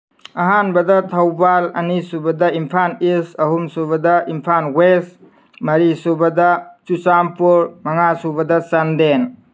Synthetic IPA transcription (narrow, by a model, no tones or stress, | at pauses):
ɐɦanbɐdɐtʰɐwbalɐ̰nisubɐdɐimpʰanisɐɦumsubɐdɐʔimpʰanwes | mɐɾisubɐdɐt͡ʃut͡ʃampuɾmɐŋasubɐdɐsɐnden